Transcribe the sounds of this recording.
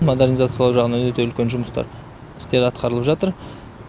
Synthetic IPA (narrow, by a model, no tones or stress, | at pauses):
mo̞d̪e̞ɾnizat̪sɨjɑlˠɑwʒɑʁənɑɵt̪eʏlkʲenʒʊməst̪ɑ̰ɾ | ɪ̥st̪e̞ɾɑt̪qʰɑɾəlˠəpʒɑt̪əɾ